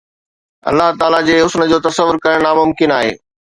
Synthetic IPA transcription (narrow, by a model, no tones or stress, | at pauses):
ɐ̰lːaɦt̪aːlad͡ʑeːɦʊsnə̆d͡ʑoːt̪ɐsəʋːʊɾkɐɾəɽ̃aːmʊmkɪnaːɦḛː